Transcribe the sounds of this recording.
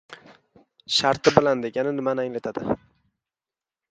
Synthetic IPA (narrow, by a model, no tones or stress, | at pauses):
ʃaɾt̪ʰɪbɪland̪e̞ɡʲanɪnɪmanaŋlat̪ʰad̪ɪ̰